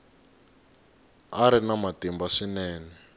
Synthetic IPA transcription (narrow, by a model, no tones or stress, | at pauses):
aɾinamatimbaʂinɛːnɛ